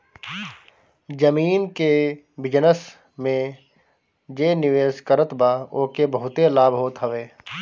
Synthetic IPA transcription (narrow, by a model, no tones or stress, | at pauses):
d͡ʒəmiːnke | bɪd͡ʒnəs | mẽ | d͡ʒeːnɪʋeːskəɾət̪baːoːkebɐɦʊt̪elaːbɦoːt̪ɦəʋeː